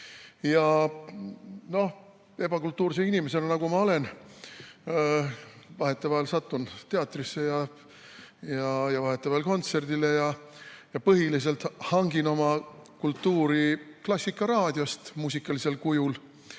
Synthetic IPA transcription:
jɑ | no̞h | e̞b̥ɑkult̪ːˑuːɾseinimese̞lenɑɡumɑo̞le̞n | vɑɦe̞t̪ːˑevɑelsɑt̪ːˑunt̪e̞ɑt̪ːˑrisːe̞jɑ | jɑjɑvɑɦe̞t̪ːˑevɑelko̞nt̪se̞rd̪ile̞jɑjɑpɤɦilis̬e̞lt̪hɑŋɡ̥ino̞mɑkult̪ːuːɾiklɑsʲːikːˑɑɾɑːd̪̥ʲjo̞st̪muːs̬ʲikːˑɑlise̞lkujul

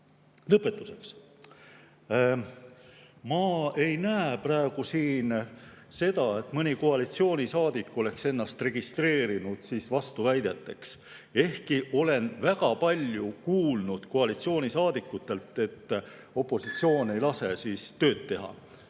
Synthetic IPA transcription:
lɤpːˑe̞t̪ːˑuse̞ks | mɑe̞jnæeprɑeɡ̥usiːnse̞d̪̥ɑe̞t̪mɤnʲikoɑlit̪sio̞ːnʲisɑːd̪̥ikːˑo̞le̞kse̞nːɑst̪re̞ɡ̥ist̪re̞ːɾinud̪̥siːsvɑst̪uvæjd̪̥et̪ːe̞ks | e̞hkiʔo̞le̞nvæɡ̥ɑpɑlʲjukuːlnud̪̥koɑlit̪sio̞ːnʲisɑːd̪̥ikːˑut̪ːˑe̞lt̪ːˑe̞t̪ːˑ | o̞pːˑo̞sit̪sio̞ːne̞jlɑse̞siːst̪ø̞ːt̪ːe̞ɦɑ̰

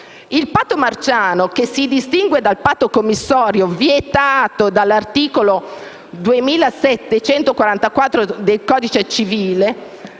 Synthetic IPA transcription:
ilpat̪ːomart͡ʃaːnokesːid̪ist̪iŋɡwed̪alpaːt̪ːokomːisːɔːɾjovjet̪aːt̪od̪alːart̪iːkolo | d̪uemiːlasɛt̪ːet͡ʃɛnt̪okwaɾant̪akwat̪ːɾod̪elkɔːd̪it͡ʃet͡ʃiviːle

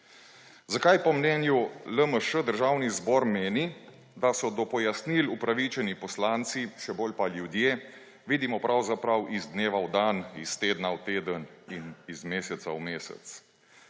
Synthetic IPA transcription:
zakajpɔmnɛːnjuləməʃəd̪əɾʒawnizbɔːɾmeːni | d̪asɔd̪ɔpɔjasnilupɾaʋit͡ʃɛnipɔslaːnt̪siʃɛboːlpaljud̪jeː | ʋiːd̪imɔpɾʔawzapɾawʔizd̪neːʋawd̪aːnist̪eːd̪nawt̪eːd̪əninizmeːsɛt̪saumeːsɛ̰t̪s

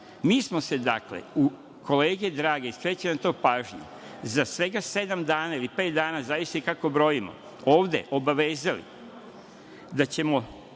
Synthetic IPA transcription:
miːsmo̞se̞d̪aklḛu | kʰo̞leːɡed̪ɾaːɡe̞ist̪ɾet͡ɕenat̪o̞ːpaːʒɲḛ | zasʋe̞ɡase̞d̪amd̪aːnailipe̞ːt̪̚d̪aːnazaʋist̪eikako̞bɾo̞jimo̰ | oːʋd̪e̞̰ʔo̞baʋe̞ːzalḭ | d̪at͡ɕe̞mo

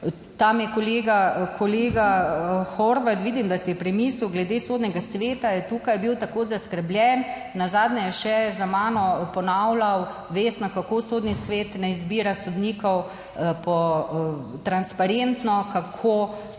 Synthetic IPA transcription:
t̪amjɛkɔleːɡakʰɔleːɡaxoɾʋat̪ʋiːd̪imd̪asɛjɛpɾɛmisuwɡlɛd̪esoːd̪nɛɡasʋeːt̪ajɛt̪uːkajbiwt̪akoːzaskəɾblʲjɛnː | azaːd̪nɛjɛʃɛzamaːnɔpɔnawlaw | ʋeːst̪nɔkakoːsoːd̪nisʋeːt̪nɛizbiːɾasɔd̪nikɔw | pɔ | t̪ɾanspaɾent̪nɔkakʰo

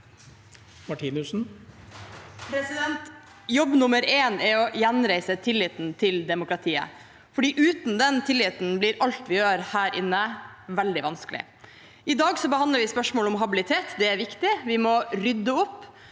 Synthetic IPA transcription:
mɑʈʰiːnʉʂn̩ | pʰɾɛsɪd̪ɛnt̪ | jɔbnʊməɾeːnɛɾɔjɛnɾæɪsət̪ʰɪlːɪːt̪nt̪ʰɪld̪ɛmʊkɾɑt̪ʰiːə̰ | fɔɖiːʔʉːt̪n̩d̪ɛnt̪ʰɪlːɪt̪n̩blɪɾʔɑlt̪ʋɪjøːɾhæːɾʔɪnːəʋɛld̪ɪʋɑnskəlɪ̰ | ɪd̪ɑːɡsɔbəɑnd̪ləɾʋɪspœʂmoːlɔmɦɑbɪlɪt̪ʰeːt̪d̪ɛæɾʋɪkt̪ɪʋɪmɔɾʏd̪ːəʊpː

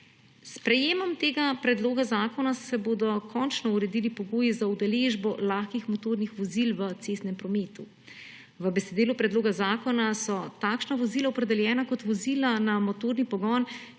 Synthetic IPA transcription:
spɾɛjeːmɔmt̪eːɡapɾɛd̪loːɡazaːkɔnasɛbod̪ɔkʰɔːnt͡ʃnɔuɾɛd̪ilipɔɡoːjizaud̪aleːʒbɔlaːxkixmɔt̪oːɾnixʋɔzilʋət̪sest̪nɛmpɾɔmeːt̪u | ʋəbɛsɛd̪iːlupɾɛd̪loːɡazaːkɔnasɔt̪akʃnaʋɔziːlaɔpɾɛd̪ɛljɛːnakɔt̪ʋɔzilanamot̪oːɾnipɔɡɔn

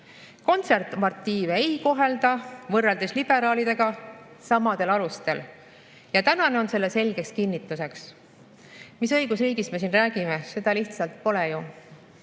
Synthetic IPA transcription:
ko̞nt̪se̞rt̪ːˑmɑrt̪ːˑiːveejko̞ɦe̞ld̪ɑvɤrːeld̪eslib̥e̞ɾɑːlid̪̥e̞ɡ̥ɑ | sɑmɑd̪̥e̞lɑlust̪e̞l | jɑt̪ænɑne̞o̞nse̞lːe̞se̞lʲɡ̥e̞kskinːit̪ːˑuse̞ks | misɤ̞jɡ̥usriːɡisme̞s̬inræːɡ̥ime̞se̞d̪̥ɑliht̪sɑlt̪̚po̞leju

